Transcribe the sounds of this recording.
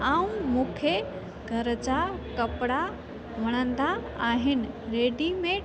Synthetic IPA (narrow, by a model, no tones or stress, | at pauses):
aũmukʰje | ɡʱəɾt͡ɕakəpɽa | ʋəɽ̃ənd̪aaɦɪn | ɾeɖimẽ